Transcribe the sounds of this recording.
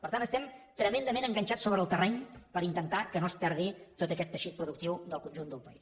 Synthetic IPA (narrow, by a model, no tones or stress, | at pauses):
pəɾt̪anəst̪ɛmt̪ɾəmend̪əmenəŋɡəɲʲt͡ʃat͡ssoβɾəːlˠt̪ərɛɲpəɾint̪ənt̪akənospɛɾðit̪ot̪əkɛt̪ːəʃit̪̚pɾuðuk̚t̪iwd̪əlˠkunʲʒund̪əlˠpəis